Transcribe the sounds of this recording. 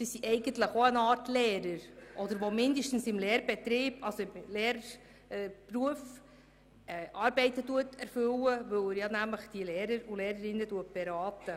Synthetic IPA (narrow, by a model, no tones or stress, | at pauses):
diːsiʔɛɪɡənt̪ləχoənɑːɾtlɛːɾəɾʔɔd̪əɾʋomɪndəʃtən̩sɪmlɛːɾb̥ɛt̪ɾiːb̥ɑlsoɪmlɛːɾ | pruəf | ɛʔɑːɾbɛɪtətuətɛɾfʏwəʋɵwɪɾjɑnæmləχd̥ilɛːɾəɾulɛːɾəɾɪnːəduət̚b̥ɛɾɑːt̪ə